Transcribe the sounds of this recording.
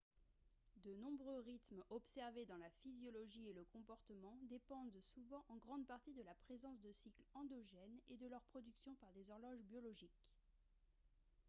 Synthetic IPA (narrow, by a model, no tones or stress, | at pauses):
d̪ənɔ̃bʁøʁit̪mɔpsɛʁved̪ɑ̃lafizjɔlɔʒieləkɔ̃pɔʁt̪əmɑ̃d̪epɑ̃d̪suvɑ̃ʔɑ̃ɡʁɑ̃d̪paʁt̪id̪əlapχezɑ̃s̬d̪əsiklɑ̃d̪ɔʒɛned̪əlœʁpχɔd̪yksjɔ̃paʁd̪ezɔʁlɔʒbjɔlɔʒik